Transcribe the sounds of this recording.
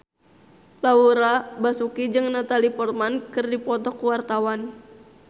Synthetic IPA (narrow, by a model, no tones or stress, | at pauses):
lauɾabasukid͡ʒɨŋnat̪alipɔrmankɨrdipɔt̪ɔkːuwart̪awan